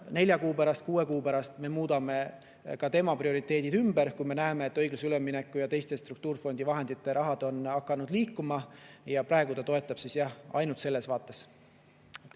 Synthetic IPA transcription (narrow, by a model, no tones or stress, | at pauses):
ne̞lʲjɑkuːpæɾɑst̪̚kuːe̞kuːpæɾɑst̪me̞muːd̪̥ɑme̞ | kɑt̪e̞mɑprio̞ɾit̪ːˑe̞ːd̪̥id̪̥ymbeɾkujme̞næːme̞ːt̪ːˑɤ̞jɡ̥lusylemːinekːˑujɑt̪e̞jst̪e̞st̪rukt̪uːrfo̞nd̪̥ivɑɦe̞nd̪̥it̪ːˑe̞ɾʔɑɦɑd̪̥o̞nɑkːˑɑnud̪liːkːumɑjɑpɾɑeɡ̥ut̪ɑt̪o̞e̞t̪ːˑɑb̥sisjɑhɑ̰jnult̪se̞lːe̞svɑːt̪ːˑe̞s